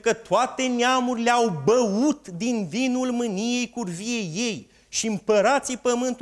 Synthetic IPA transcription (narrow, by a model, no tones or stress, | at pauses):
kət̪oat̪e̞neamuɾile̞awbəut̪d̪invinulmɨnije̞jkurvije̞je̞j | ʃiɨmpəɾat̪sijpəmɨnt̪